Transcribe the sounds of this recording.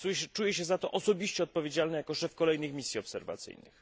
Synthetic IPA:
ujɛt͡ʂujɛɕɛzat̪ɔʔɔsɔbʲiɕt͡ɕɛɔt̪̚pɔvʲjed͡ʑalnɛjakɔʂɛfkɔlɛjnɘxmʲisʲjiɔpsɛ̰ɾva̰t̪sɘ̰jnɘ̰x

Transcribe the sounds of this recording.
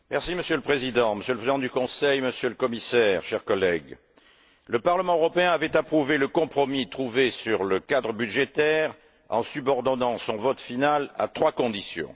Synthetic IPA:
mɛʁsiməsjøləpχezid̪ɑ̃məsjøləpχezid̪ɑ̃d̪ykɔ̃sɛjməsjøləkɔmisɛːʁʃɛʁkɔlɛɡ | ləpaʁləmɑ̃øʁɔpeɛ̃avɛt̪apχuveləkɔ̃pχɔmit̪χuvesyʁləkad̪ʁəbyd̪ʒet̪ɛʁ | ɑ̰̃sybɔʁd̪ɔnɑ̃sɔ̃vɔt̪finala̰t̪χwakɔ̃d̪isjɔ̰̃

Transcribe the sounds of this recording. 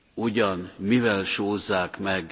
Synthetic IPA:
uɟɒnmivɛlʃoːzːaːkmɛɡ

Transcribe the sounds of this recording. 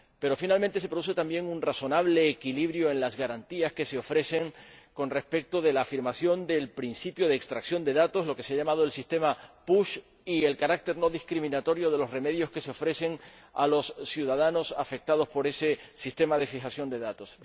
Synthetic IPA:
pe̞ɾo̞finalmẽnt̪ese̞pɾo̞ðus̬e̞t̪ambje̞ŋunraso̞naβle̞ːkiliβɾjoe̞nlazɣaɾant̪iaske̞seo̞fɾe̞se̞ŋko̞nre̞spe̞k̚t̪o̞ðe̞laːfiɾmasjo̞nd̪e̞lpɾinsipjo̞ðeːkst̪ɾaksjo̞nd̪e̞ðat̪o̞slo̞ke̞seaʎamað̞oe̞lsist̪e̞mapuʃ | ie̞lkaɾak̚t̪e̞ɾno̞ðiskɾimĩnat̪o̞ɾjo̞ð̞e̞lo̞sre̞me̞ðjo̞ske̞seo̞fɾe̞se̞ŋa̰lo̞ssjuð̞að̞ano̞safe̞k̚t̪að̞o̞spo̞ɾe̞se̞sist̪e̞maðe̞fixasjo̞nd̪e̞ðat̪o̞s

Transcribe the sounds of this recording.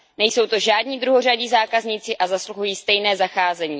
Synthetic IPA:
nɛjso̞wt̪o̞ʒaːdɲiːd̪ɾuɦor̝aɟiːzaːkazɲɪt͡sɪʔazasluɦujiːst̪ɛjnɛːzaxaːzɛɲiː

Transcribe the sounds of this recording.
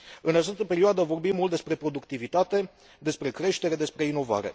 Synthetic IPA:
ɨnat͡ʃast̪əpe̞ɾioad̪əvo̞rbimːult̪d̪e̞spɾe̞pɾo̞d̪ukt̪ivit̪at̪e̞ | d̪e̞spɾe̞kɾe̞ʃt̪e̞ɾe̞d̪e̞spɾe̞ino̞va̰ɾe̞̰

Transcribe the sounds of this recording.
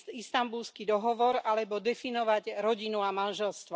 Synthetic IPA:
ist̪ambulskid̪ɔɦɔʋɔɾalɛbɔd̪ɛfinɔʋaɟɾɔɟinuamanʒɛlst̪ʋɔ

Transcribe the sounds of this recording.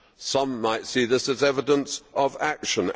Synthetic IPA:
sʌ̃mːaɪtsiðɪsɨzɛvədə̃nsʔəvækʃə̃n

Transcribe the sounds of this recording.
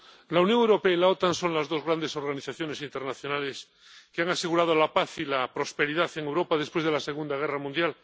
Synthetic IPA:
launjoŋewɾo̞peailao̞t̪anso̞nlazðo̞zɣɾand̪e̞so̞ɾɣaniθaθjo̞ne̞sint̪e̞ɾnaθjo̞nale̞s | keaŋase̞ɣuɾað̞olapaθilapɾo̞spe̞ɾiðaθeŋewɾo̞paðespwezðelase̞ɣ̞und̪aɣ̞eramũnd̪jal

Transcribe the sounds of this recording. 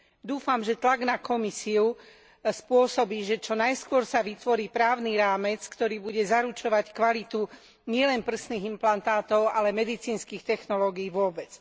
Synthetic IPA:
d̪uːfamʒɛt̪laɡnakɔmisiu | spʊɔsɔbiːʒɛt͡ʃɔnajskʊɔɾsaʋit̪ʋɔɾiːpɾaːʊniɾaːmɛt͡skt̪ɔɾiːbuɟɛzaɾut͡ʃɔʋackʋalit̪u | ɲɪɛlɛnpr̩sniːɣimplant̪aːt̪ɔʊalɛmɛd̪it͡siːnskiːxt̪ɛxnɔlɔːɡijʋʊɔbɛt͡s

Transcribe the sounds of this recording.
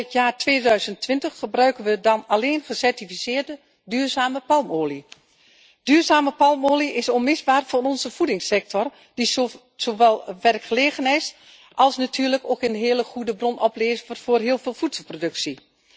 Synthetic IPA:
ətjaːrtʋeːdœɥzəntʋɪntəxːəbrœɥkənʋədɑnaleːnχəsɛrtifisɪːrdə | dyːrzaːməpɑlˠmoːli | d̥yːrzaːməpɑlˠmoːliʔɪsɔnmɪzbaːrfʊnɔnzəfudɪŋsɛk̚tɔr | d̥i | z̥oːʋɛlˠʋɛrkχəleːɣənɪs | ʔɑlˠsnatʰyːrləkoːkənɦeələχudəbrɔnɔpleːzərfoːrɦiːəlˠveːlˠfutsəlˠprodɵksi

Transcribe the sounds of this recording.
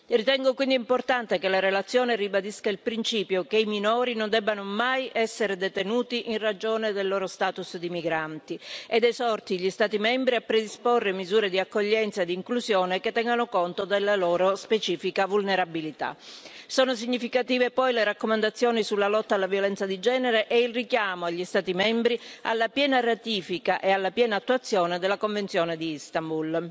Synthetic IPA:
rit̪ɛŋɡokwind̪import̪ant̪ekelaɾelat̪sːjɔːneribad̪iskailpɾint͡ʃiːpjokeiminɔːɾinond̪ɛbːanomajʔɛsːeɾed̪et̪enuːt̪iʔinrad͡ʒoːned̪elːoːɾost̪aːt̪usd̪imiɡɾant̪ied̪esɔrt̪iʎist̪aːt̪imɛmbɾiapːɾed̪isporːemizuːɾed̪iakːoʎːɛnt̪saed̪iŋkluzjɔːneket̪ːɛŋɡanokont̪od̪elːalɔːɾospet͡ʃiːfikavulneɾabilit̪a̰sɔːnos̬iɲːifikat̪iːvepɔjleɾakːomand̪at̪sːjɔːnisulːalɔt̪ːalːavjolɛnt̪sad̪id͡ʒɛːneɾeʔɛilrikjaːmoaʎːist̪aːt̪imɛmbɾia̰lːapjɛːnarat̪iːfikaʔealːapjɛːnaːt̪ːuat̪sːjɔːned̪elːakoɱvent̪sjɔːned̪iist̪ambul

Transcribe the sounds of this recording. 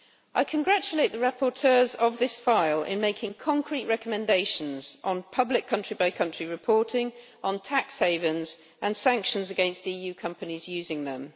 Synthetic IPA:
ʔaɪkʰə̃nɡɹat͡ʃəleɪʔ̪ðəɹapʰɔtʰɜːzəvðɪsfaɪlɪ̰̃nmeɪkʰɪ̃ŋkʰɒ̃ŋkʰɹ̥iʔɹɛkəmɛ̃ndeɪʃə̃nzʔn̩pʰʌblɪkʰːʌ̃nt͡ʃɹ̥ibaɪkʰʌ̃nt͡ʃɹ̥iɹɪpʰɔˑtʰɪ̃ŋ | ʔə̃ntʰaksheɪvɪ̃nz̥ | ʔə̃nsæ̃ŋkʃə̃nzəɡɛ̃nstiːjʉːkʰʌ̃mpənizjʉːzɪ̃ŋðə̰̃m

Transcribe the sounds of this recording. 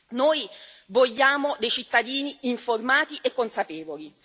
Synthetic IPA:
noːj | voʎːaːmod̪ejt͡ʃit̪ːad̪iːniiɱformaːt̪iʔekːonsapeːvoli

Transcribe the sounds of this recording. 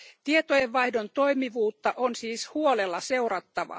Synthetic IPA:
t̪iet̪ojeʋʋɑjhdo̞nt̪o̞jmiʋuːt̪ːɑʔonsiːshuolelːɑse̞urɑt̪ːɑʋɑ̰

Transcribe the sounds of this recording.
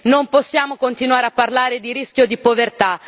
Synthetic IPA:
nompossːjaːmokont̪inwaːɾeapːarlaːɾed̪iɾisk̟jod̪ipovert̪a

